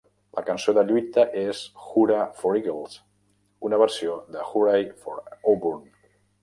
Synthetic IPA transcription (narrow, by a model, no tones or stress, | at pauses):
lə̰kansoðəʎujt̪əʔesxuɾafoɾiɣəlˠs | unəβ̞əɾsioðəxuɾajfoɾoβuɾn